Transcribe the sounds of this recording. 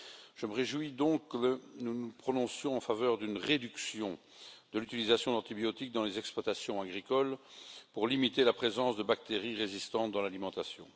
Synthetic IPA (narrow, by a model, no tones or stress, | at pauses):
ʒ̥əməʁeʒwid̪ɔ̃kkənunupχɔnɔ̃sjɔ̃ɑ̃favœːʁd̪ynʁed̪yksjɔ̃ | d̪əlyt̪ilizasjɔ̃d̪ɑ̃t̪ibjɔt̪ik̚d̪ɑ̃lezɛkspwat̪asjɔ̃aɡʁikɔlpuʁlimit̪elapχezɑ̃sd̪əbak̚t̪eʁiʁezist̪ɑ̃t̪̚d̪ɑ̃lalimɑ̃t̪asjɔ̰̃